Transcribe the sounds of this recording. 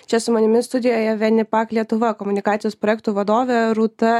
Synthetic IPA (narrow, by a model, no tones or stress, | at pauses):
t͡ʃʲɛsʊmɐnʲɪmʲɪst̪ʊd̪ʲɪjoːjɛʋʲɛnʲɪpɑːklʲiɛt̪ʊʋɐkoːmʊnʲɪkɑːt̪ʲɪjoːspɾoːjɛk̚t̪uːʋɐd̪oːʋʲeɾuːt̪ɐ